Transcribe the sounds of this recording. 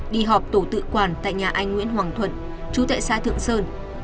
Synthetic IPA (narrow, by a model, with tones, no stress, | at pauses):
ɗi˧˨ɦɔ˨˩p̚t̪o˧˩t̪ɨ̰˧˨kwaː˧˩nt̪a̰ː˧˨jɲaː˨˩ʔa˧jŋ̟ŋwḭ˧˥ənɦwaː˨˩ŋt̪ʰwə̰˧˨n | t͡ɕu˨˦t̪a̰ː˧˨jsaː˧t̪ʰɨ̰˧˨əŋsəː˧n